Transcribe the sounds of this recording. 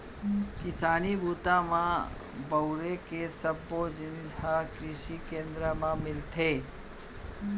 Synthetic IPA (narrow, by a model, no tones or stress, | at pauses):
kɪsaːnibʱuːt̪amã | bɐʊɾekesəbːod͡ʒɪnakɾɪʃikẽːnd̪ɾamãmɪlt̪ʰeː